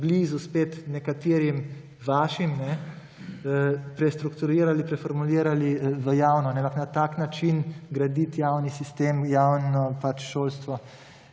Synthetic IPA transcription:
bliːzuspeːt̪nɛkat̪iːɾim | ʋaːʃimnɛ | əpɾɛst̪ɾukt̪uɾiːɾalipɾɛfɔɾmuliːɾaliʋəjaːwnɔanɛãmpaknat̪aːknat͡ʃinɡɾad̪it̪jaːwnisist̪eːmjaːwnɔpat͡ʃʃoːlst̪ʋɔ

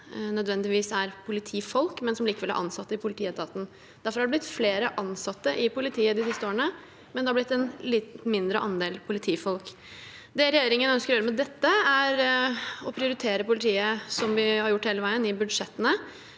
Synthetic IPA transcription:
nœd̪ʋɛnd̪ɪʋiːsæɾpʰʊlɪt̪ʰiːfɔlkmɛnsɔmliːkəʋɛlːæ̰ʔɑ̰nsɑt̪ːəɪpʰʊlɪt̪ʰiːɛt̪ʰɑːt̪n̩ | d̪æɾfɔɾhæɑɖ̪ɛblɪt̪ːfleːɾəʔɑnsɑt̪ːəʔɪpʊlɪt̪ʰiːəd̪ɪsɪst̪əoːɾəɳə | mɛnd̪ɛhɑblɪt̪ːɛnlɪt̪mɪnd̪ɾəʔɑnd̪eːlpʰʊlɪt̪ʰiːfɔlk | d̪ɛɾɛjeːɾɪŋənœnskəɾɔjøːɾəmɛd̪ɛt̪ːəæɾɔpʰɾɪʊɾɪt̪ʰeːɾəpʊlɪt̪ʰiːəsɔmʋɪhɑɾjʊʈːheːləʋæɪənɪbʉd̪ʂɛt̪ːənə

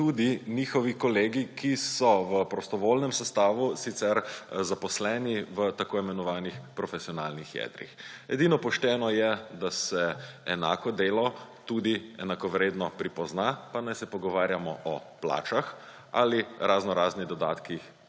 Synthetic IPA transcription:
t̪uːd̪iniːxɔʋikɔleːɡikisɔʋəpɾɔst̪ɔʋolnɛmsɛst̪aːʋusit̪sɛɾzapɔslɛːniʋət̪akoːimɛnɔʋaːnixpɾɔfesiɔna̰ːlnixjɛ̰d̪ɾḭxɛd̪inɔpɔʃt̪ɛːnɔjɛd̪asɛɛna̰ːkɔd̪eːlɔt̪ud̪iɛ̰nakɔʋɾeːd̪nɔpɾipɔznapanajsɛpɔɡɔʋaːɾjamɔ̰ʔɔpla̰ːt͡ʃax | a̰liɾʔaznɔɾaːzniɣd̪ɔd̪a̰ːt̪kix

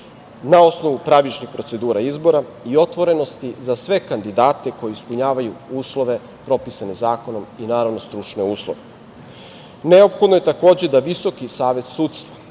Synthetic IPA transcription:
nao̞sno̞ʋupɾaʋit͡ʃnixpɾo̞t̪se̞d̪uːɾaizbo̞ɾaio̞t̪ʋo̞ɾe̞no̞st̪izasʋe̞kand̪id̪aːt̪e̞ko̞jeispuɲaːʋajuuːslˠo̞ʋe̞ | pɾo̞pisane̞zaːko̞no̞minaːɾaʋno̞st̪ɾut͡ʃne̞uːslˠo̰ʋe | ne̞o̞pxo̞d̪noje̞t̪ako̞ːd͡ʑed̪aʋiso̞kisaːʋe̞t̪suːt̪st̪ʋḁ

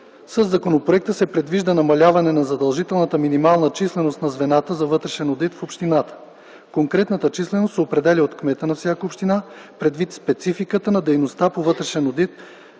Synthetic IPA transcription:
səzːɐkonopɾoɛk̚t̪əsɛpɾɛd̪viʒd̪ənɐmɐlʲavɐnɛnɐzɐd̪ɐlˠʒit̪ɛlˠnət̪əminimalˠnət͡ʃislɛnost̪nɐzvɛnat̪əzɐvɤt̪ɾɛʃɛnod̪it̪fopʃt̪inat̪ə̥ | koŋkɾɛt̪nət̪ət͡ʃislɛnost̪sɛopɾɛd̪ɛlʲiot̪kmɛt̪ənɐfsʲjakəopʃt̪ina | pɾɛd̪vit̪spɛt̪sifikət̪ənɐd̪ɛjnost̪apovɤt̪ɾɛʃɛnod̪it̪

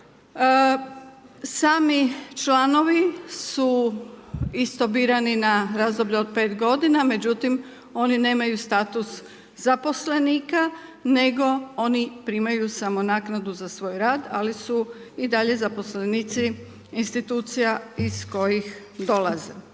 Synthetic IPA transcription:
saːmit͡ʃlano̞ʋisu | ist̪o̞biːɾaninaɾazd̪o̞bʎeod̪̚pe̞ːt̪ɡo̞d̪iname̞d͡ʑut̪im | o̞nine̞ːmajust̪aːt̪us | z̥apo̞sle̞niːkane̞ɡo̞onipɾimajusamo̞naːknad̪uzasʋo̞ːjɾaːd̪alisu | id̪aʎe̞zapo̞sleniːt̪si | inst̪it̪uːt̪sijaisko̞jix | d̪o̞lˠazḛ

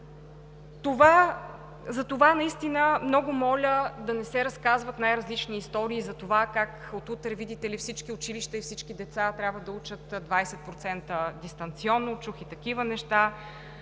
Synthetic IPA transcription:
t̪ova | zɐt̪ovanɐist̪inəmnɔɡʊmɔlʲəd̪ɐnɛsɛɾɐskazvɐt̪najɾɐzlit͡ʃniːst̪ɔɾiːzɐt̪ovakak | ot̪ut̪ɾɛvid̪it̪ɛlifsit͡ʃkiʊt͡ʃiliʃt̪əifsit͡ʃkid̪ɛt̪sat̪ɾʲabvəd̪ɐut͡ʃət̪d̪vajsɛt̪̚pɾot̪sɛnt̪əd̪ist̪ɐnt̪siɔnːot͡ʃuxit̪ɐkivənɛʃt̪a

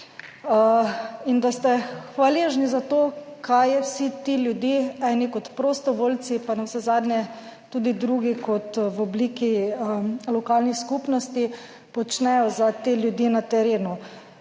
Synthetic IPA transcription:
ind̪ast̪ɛxʋaleːʒnizat̪oːkʰajɛwsit̪iljud̪jiɛnikɔt̪pɾost̪ɔʋoːlsipanɛwsɛzad̪nʲɛ | t̪uːd̪id̪ɾuɡikɔt̪wɔbliːki | lɔkalnixskupnɔst̪i | pɔt͡ʃnɛjɔzat̪eːljud̪jinat̪ɛɾeːnu

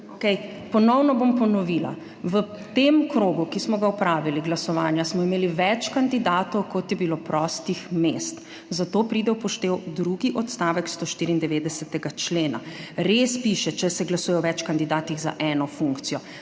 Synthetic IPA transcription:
okɛj | pɔnɔwnɔbompɔnɔʋiːla̰ | ʋə | t̪emkɾoːɡukismɔɡaɔpɾaːʋiliɡlasɔʋaːnjasmɔimeːliʋɛt͡ʃkand̪id̪aːt̪ɔwkɔt̪jɛbilopɾɔst̪ixmest̪ | zat̪oːpɾiːd̪ɛwpɔʃt̪eːwd̪ɾuɡiʔɔt̪st̪aːʋɛkst̪oːʃt̪iɾiːnd̪ɛʋeːd̪ɛsɛt̪ɛɡat͡ʃleːna̰ɾespiʃɛt͡ʃɛsɛɡlasuːjɛɔʋɛt͡ʃkand̪id̪aːt̪iɣza̰ʔɛːnɔfuŋkt̪sijɔ

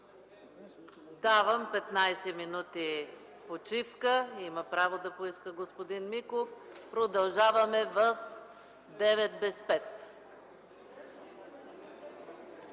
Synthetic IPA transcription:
d̪avɐmpɛt̪najsɛminut̪i | pot͡ʃifkəiməpɾavod̪ɐpoiskəɡospod̪inmikofpɾod̪ɐlˠʒavɐmɛvəf | d̪ɛvɛt̪̚bɛspɛt̪

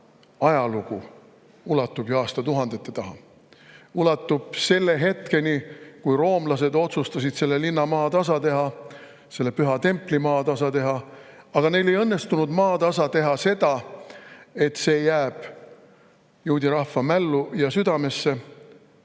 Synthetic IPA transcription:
ɑjɑluɡ̥u | ulɑt̪ˑːubjuɑːst̪ɑt̪uɦɑnd̪̥e̞t̪ːet̪ɑɦɑ | ulɑt̪ːˑub̥se̞lːe̞ɦe̞t̪ke̞nikujro̞ːmlɑs̬e̞d̪o̞t̪sust̪ɑsid̪̥se̞lːe̞linːɑmɑːt̪ɑsɑt̪e̞ɦɑ | se̞lːe̞pyɦɑt̪e̞mpˑlimɑːt̪ɑsɑt̪e̞ɦɑ | ɑɡ̥ɑne̞jle̞jɤnːe̞st̪unud̪mɑːt̪ɑsɑt̪e̞ɦɑse̞d̪̥ɑ | e̞t̪ːse̞ːjæːb̥ | juːd̪ʲiɾɑhːɑmælːujɑsyd̪ɑme̞sːe̞

